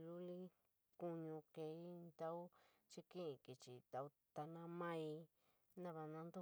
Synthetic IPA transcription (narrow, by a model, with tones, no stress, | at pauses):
lu˦li˦ | ku˧ɲũ˧ke˧i˦nd̪a˦u˦ | t͡ʃi˧kĩ˦ĩ˨˧ki˨t͡ʃi˨t̪a˧u˧˦t̪a˧nã˧mã˦i˧ | nã˦βa˧nã˧nd̪u˦